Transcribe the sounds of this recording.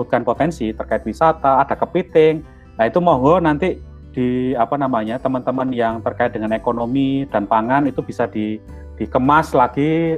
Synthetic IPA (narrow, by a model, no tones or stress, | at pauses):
ut̪̚kanpot̪ɛnsit̪ərkaɪt̪̚wisat̪aːd̥a̤kəpit̪ɪŋ | nait̪umɔɦɔnant̪i | d̥iapanamaɲat̪əmənt̪əmənjaŋt̪ərkaɪt̪̚dəŋanekonomid̥anpaŋanit̪ub̥isad̥i | d̥ikəmaslaɡ̥i